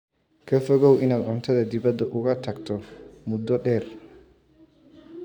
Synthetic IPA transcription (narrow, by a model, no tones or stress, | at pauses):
kʰɐfɔɣɔwʔɪnaːd̪ʕɔnt̪ʰɐðɐd̪ɪβɐd̪ːɐʔʊɣɐt̪ʰɐɡt̪ʰɔmʊd̪ɔɗɛːr